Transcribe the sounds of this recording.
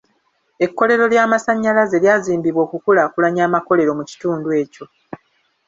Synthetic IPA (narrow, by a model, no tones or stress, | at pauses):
e̞kːo̞le̞ɾo̞ljaːmasaɲːalaze̞ljaːziːmbiβwo̞ːkukulaːkulaɲaːmako̞le̞ɾo̞muci̥tuːndwe̞ːco̞